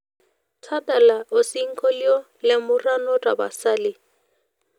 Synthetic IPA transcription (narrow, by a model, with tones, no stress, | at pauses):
t͡sʰa˦ta˨la˨ʊ˨si˦ŋ̩˦kʼɔ˦ljɔ˦ | lɪ˦mʊ˦ra˦nɔ˦tʼa˨ba̰˨saː˦lɪ˦